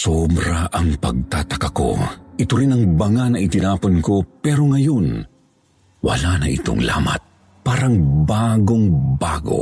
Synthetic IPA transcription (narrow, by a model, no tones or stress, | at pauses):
sobɾaʔɐŋpɐ̰ɡ̚t̪aːt̪ɐkako̰ʔɪt̪oɾɪnɐŋbɐŋanɐʔɪt̪ɪnaːponko̞pɛːɾoŋɐjo̞n | wɐ̰lanɐ̰ʔɪ̰t̪o̰ŋla̰ːma̰t̪̚ | paːɾɐŋbaːɡoŋbaːɡo̞̰